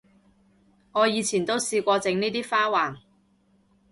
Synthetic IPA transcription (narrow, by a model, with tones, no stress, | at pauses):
ŋɔː˨˧jiː˨˧t͡sʰiː˨˩nt̪o˥wsiː˧kʷɔː˧t͡sɪ˨˥ŋniː˥t̪iː˥faː˥waː˨˩n